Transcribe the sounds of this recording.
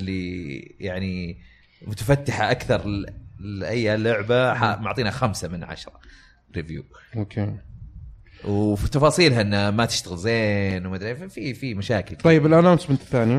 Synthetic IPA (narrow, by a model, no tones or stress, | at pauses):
ʔlːijaʕni | mʊt̪afat̪ːɪħaʔakθɑɾˤ | ʔajːalːʊʕbaħamʊʕt̪ˤiːnaxamsamɪnʕa̰ʃɾˤɑ | ɾɪvjṵː | okʰeː | wfit̪ɑfɑːsˤiːlɦaʔɪnːhamat̪ɪʃt̪aɣɪlzeːnwmad̪ɾefifimaʃaːkɪlt̪ˤɑjːɪbɪlʔanaːnsmɪnt̪θːaːnija